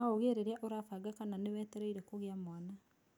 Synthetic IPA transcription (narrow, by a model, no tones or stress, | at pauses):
aoɣeɾeɾeaʔoɾafaɡakananewɛːtɛɾɛiɾɛkoɣeamwana